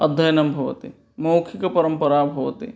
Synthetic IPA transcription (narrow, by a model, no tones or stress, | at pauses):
ɐd̪ʱːɐjɐnɐmbʱɐʋɐ̰t̪ḭ | moːkʰikɐpɐɾɐmpɐɾaːbʱɐʋɐ̰t̪ḭ